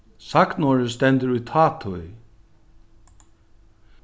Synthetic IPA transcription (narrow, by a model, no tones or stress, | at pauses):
sak̪nɔːɹəst̪ɛnt̪əɾujt̪ʰaːt̪ʰʊ